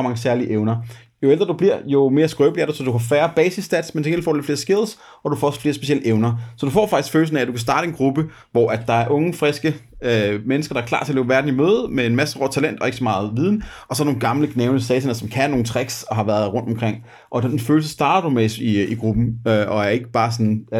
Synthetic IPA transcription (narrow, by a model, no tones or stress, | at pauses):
mɑ̈ŋəsæɐliʔeʊnɐ | jo̝eld̥ʁɐd̥ub̥liɐ̰jo̝me̝ːɐsɡ̥ʁœːb̥liæɐɾusɒ̽d̥uhɑfæɐb̥ɛːsisd̥æd̥smensʰeɡḛlfɔ̰̥ːle̝̥fe̝ːɐsɡ̥e̝ðˠs | ʔɒ̽d̥ufɒ̰sfle̝ːɐsb̥e̝iel̰əʔeʊnɐsɒ̽d̥ufɒ̰ːfɑ̈ɡ̥i̥sɡ̥føːl̩sn̩ææd̥ukʰæsd̥ɑ̈ːɾəenɡ̥ʁub̥ə | ʋɒʔæ̥ːɑ̈æɐʔɔ̽ŋəfʁesɡ̥ə | menəsɡ̥ɐɾɑæɐkʰlɑ̈ːt͡sʰe̝ɐleːʊʋæɐd̥n̩imøːð̩ˠmeenmæsəʁɔ̰̥t͡sʰælen̰d̥ɒ̽e̝ɡ̥sɒ̽mɑ̈ːð̞̩ˠʋið̞ˠnəɒsɒ̽ɐ̥no̝ːnɡ̥ɑ̈mləɡ̥neʊnəsɛːsenɐsɒ̽mkʰænːo̝ːn̩t͡sʰʁeɡ̥sɒ̽ɦɑ̈ʋæɐðˠʁɔ̽n̰d̥ɒ̽mkʰʁeŋ̰ | ʔɒ̽d̥enenføːl̩səsd̥ɑ̈ːdɐdumesiiɡ̥ʁub̥n̩øʔɒ̽æɐe̝ɡ̥əb̥ɑ̈ːsɒ̽n